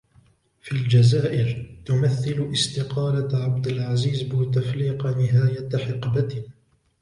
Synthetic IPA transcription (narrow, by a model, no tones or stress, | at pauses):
fild͡ʒazaːʔɪɾt̪ʊmaθːɪlʊʔɪst̪ɪqɑːlaʕabd̪ɪlʕaziːzbɪt̪afɾiːqnɪɦaːjat̪ħɪqba